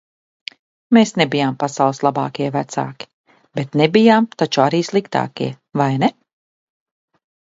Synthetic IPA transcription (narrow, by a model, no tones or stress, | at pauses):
meːsnebijaːmpasawlˠslˠabɑ̰ːkiɛvæt̪sa̰ːkʲi̥ | bet̪nebijaːmt̪at͡ʃuaɾiːslˠikt̪a̰ːkiɛ | vajnɛ